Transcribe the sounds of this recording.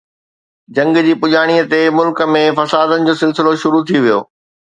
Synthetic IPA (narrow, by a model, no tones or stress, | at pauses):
d͡ʑɐ̃ŋɡd͡ʑiːpʊd͡ʑaːɽ̃iət̪emʊlkə̆mẽfɐsaːd̪ənɪ̆d͡ʑoːsɪlsɪloʃʊɾut̪ʰiʋijo̰ː